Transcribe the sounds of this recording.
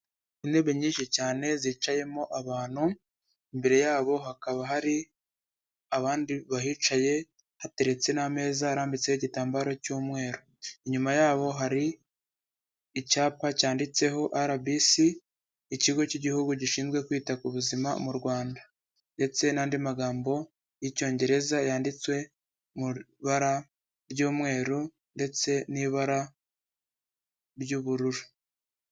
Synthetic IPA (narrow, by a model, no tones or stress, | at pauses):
inde̞βeɲiːnʃicaːne̞ziːt͡ʃaje̞mo̞ʔaβaːn̥hu | imbe̞ɾe̞jaːβo̞ɦakaβaɦaɾi | aβaːndiβaɦit͡ʃaje̞ | hate̞ɾe̞t͡se̞name̞ːzaːɾaːmbit͡sehiɟitaːmbaɾo̞cuːmŋe̞ːɾo | iɲumajaːβo̞ɦaɾi | caːpacaːndit͡se̞ɦo̞ʔaɾabisiː | ciɡo̞ciɟihuɡuɟiʃiːnzɡwe̞kwiːtakuβuzimamuɾɡwaːnda | nde̞t͡se̞naːndimaɡaːmbo̞ | jico̞ːɲɟe̞ɾe̞zajaːndit͡swe̞ | mu | βaɾa | ɾɟuːmŋe̞ːɾu | nde̞t͡se̞niβaɾa | ɾɟuːβuɾuɾu